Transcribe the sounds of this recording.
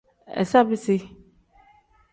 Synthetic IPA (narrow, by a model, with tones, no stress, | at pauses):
ɛ̰˨sa˦bɪ˦sɪ˦